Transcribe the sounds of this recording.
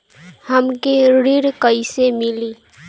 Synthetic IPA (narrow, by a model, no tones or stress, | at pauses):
həmkeɾɽiɾkəisemɪliː